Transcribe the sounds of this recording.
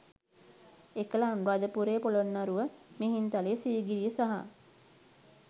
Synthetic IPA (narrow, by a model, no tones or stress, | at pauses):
ekəlanɾad̪əpuɾeːpolonːaɾuʋəmeɦint̪alesiːɡiɾijəsaɦa̰